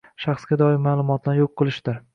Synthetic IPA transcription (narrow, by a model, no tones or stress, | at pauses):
ʃɑχsɡʲad̪ɒɪmaːlˠʊmɒt̪ʰlaɾjoqʰːɨlˠɪʃd̪ɪɾ